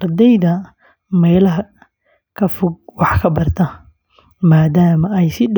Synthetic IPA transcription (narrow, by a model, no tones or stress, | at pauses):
ɐrd̪ɛjðɐ | mɛjlɐɦɐ | kʰɐfʊɡ̚wɑħkʰɐbɐrt̪ʰɐ | maːd̪aːmɐɛjsɪɖ